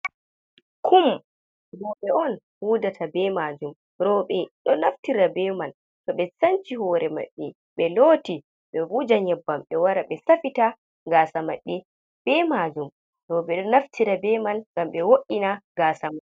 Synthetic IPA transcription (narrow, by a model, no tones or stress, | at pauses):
kʰum | bɔɓɛɔn | huːdatʰabɛmad͡ʒum | ɾɔɓɛɗɔnaftiɾabɛman | tɔɓɛsant͡ʃihɔɾɛma̰ɗːi | ɓɛloːti | ɓɛbud͡ʒaɲɛbːamɓɛwaɾaɓɛsafita | ɡaːsamaɗːi | b̥ɛmad͡ʒum | ɾɔɓɛɗɔnaftʰiɾabɛmanɡ̥amɓɛwoʔinaɡaːsaman